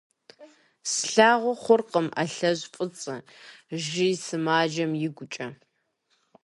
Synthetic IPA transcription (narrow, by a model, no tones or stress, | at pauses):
sɬaːʁʷɔχʷʊrqəmʔa̰ɬɐʑpʷʼɨt͡sʼɨʒɪjsɨmaːd͡ʒɐmjɪɡʷʊt͡ʃʼɐ